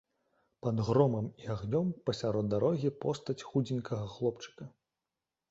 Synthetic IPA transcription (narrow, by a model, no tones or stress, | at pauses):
pɐd̪ɣɾɔmɐmiaɣnʲɔmpɐsʲaɾɔd̪d̪ːaɾɔɣʲipɔst̪ɐt͡sʲxud͡zʲinʲkɐɣɐxlˠɔpt͡ʂɨ̥kɐ